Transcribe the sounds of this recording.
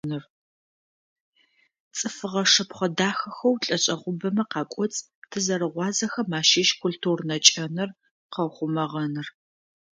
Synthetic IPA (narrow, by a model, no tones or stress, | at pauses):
nɨr | t͡sʼɨfɨʁɐʂɐpχʷɐdaːxɐxɐwɬʼɐɕʼɐʁʷʊbɐmɐqɑːkʷʼɔt͡sʼ | tʰɨzɐɾɨʁʷɑːzɐxɐmaːʃiːʃkʷʰultʰuːrnɐt͡ʃʼɐnɨr | qɐwχʷʊmɐʁɐnɨr